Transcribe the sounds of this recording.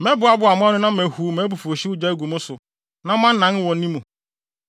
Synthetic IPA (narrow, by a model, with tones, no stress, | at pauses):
mɛ˦bʊ˨˦a˦bʊ˦a˨mʊ̃˦ã˦nʊ̃˦nã˦mɛ˨hu˨˦mɛ˨˦bʊ˨fu˨o˨ɕi˦ʊ˦d͡ʑa˦e˦ɡu˨mʊ̃˦sʊ˨ | nã˦mã˦n̩˦nːã˦n˦wɔ̃˨n̩˦nĩ˦mũ˨